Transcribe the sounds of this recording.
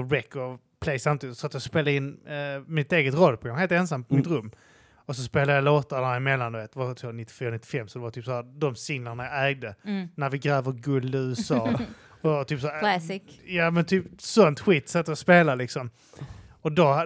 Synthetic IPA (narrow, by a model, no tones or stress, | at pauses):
ɾɛkːɔ | pʰlejsamt̪iːd̪ɪt̪sɔat̪jɑɡspeːlaɪnːmɪt̪eːɡət̪ɾɔlːpʰɔɡaŋheːlt̪ɛns̬ampʰɔmɪtt̪ɾɵmː | ɔsɔspeːlajaloːt̪aɳaɪmɛlːand̪ɵveːt̪d̪ɛvat̪ʰoːnɪt̪ːɪ̥fyːɾanɪt̪ːɪ̥fɛmːsɔd̪ɛvat̪ʰyːpsahæːɾd̪ɔmsɪŋlaɳajaæːɡ̚d̪ənæɾvɪɡɾɛːvəɾɡɵld̪ɪʉ̟ːsɑː | ɔvat̪ʰyːpsaæ | jamɛnt̪ʰyːpsɔnt̪ɧiːt̪ːsɛt̪ːəjɔspeːlalɪksɔm | ɔd̪ɔ